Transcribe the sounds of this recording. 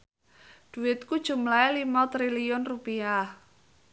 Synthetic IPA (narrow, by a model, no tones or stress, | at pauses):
d̪̥ṳwɪt̪̚kud̥ʒ̥ṳmlaɛlimɔt̪ɾiliʊnrupia